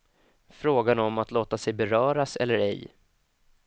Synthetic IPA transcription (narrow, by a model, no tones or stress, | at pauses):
fɾoːɡanɔmat̪loːt̪asɛjbɛɾœːɾasɛ̰lːəɾɛ̰j